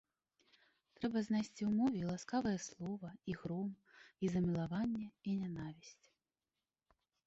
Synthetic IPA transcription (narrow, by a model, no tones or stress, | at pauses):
t̪ɾɛbɐznajsʲt͡sʲiwmɔvʲilˠaskavɐjɛslˠɔvɐiɣɾɔm | izɐmʲilˠavanʲːɛinʲanavʲisʲt͡sʲ